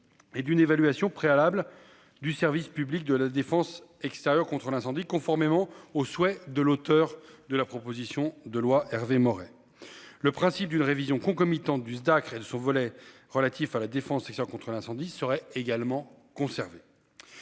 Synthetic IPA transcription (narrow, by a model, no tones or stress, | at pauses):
ed̪ynevalɥasjɔ̃pχealabl | d̪ysɛʁvispyblik̚d̪əlad̪efɑ̃sɛkst̪eʁjœʁkɔ̃t̪χəlɛ̃sɑ̃d̪ikɔ̃fɔʁmemɑ̃oswɛd̪əlot̪œʁd̪əlapχɔpozisjɔ̃d̪əlwaʔɛʁvemɔʁɛ | ləpχɛ̃sip̚d̪ynʁevizjɔ̃kɔ̃kɔmit̪ɑ̃t̪̚d̪ysd̪akχed̪əsɔ̃vɔlɛ | ʁəlat̪ʰifalad̪efɑ̃sɛkst̪jœkɔ̃t̪χəlɛ̃sɑ̃d̪isəʁɛeɡalmɑ̃ | kɔ̃sɛʁve